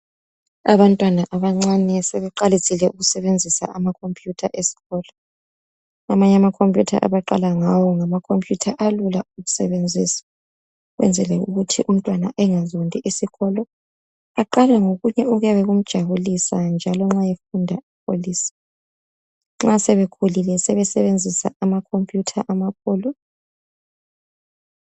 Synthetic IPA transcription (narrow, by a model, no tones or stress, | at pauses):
aβantʼwanaʔaβaŋ͡ǀanɛsɛβɛǃalitʰʼilɛʔuɣusɛβend͡zʱisa̰ʔamakʰompʼjutʰa̰ʔesi̥ɣɔːlɔ | amaɲɛamakʰompʼjutʰa̰ʔa̰βaǃa̰laŋawɔŋamakʰompʼjutʰaʔalulauɣusɛβend͡zʱiːsḁ | ɣwʔɛ̰nd͡zʱɛlɛuɣutʰiʔum̩tʼwanaʔɛŋazondʱʼiʔisiɣɔlɔ | aǃalɛŋoɣuɲɛuɣujaβɛɣum̩d̥ʒ̥ʱaβulisand͡ʒʱalɔŋ͡ǁajefundʱaip̚ʰo̰liːsḁ | ŋ͡ǁasɛβekʰulilɛsɛβɛsɛβend͡zʱisa̰amakʰompʼjutʰaʔamap̚ʰoːlɔ